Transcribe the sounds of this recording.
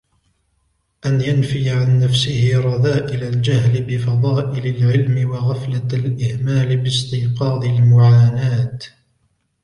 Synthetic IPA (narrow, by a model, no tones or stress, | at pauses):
ʔanjanfiːʕanːafsɪhɪɾˤɑðaːʔɪlald͡ʒahlɪbɪfɑðˤɑːʔɪlalʕɪlmɪwɑɣaflalʔɪhmaːlɪbɪst̪ɪːqɑːd̪ˤɪlmʊʕaːnaːt̪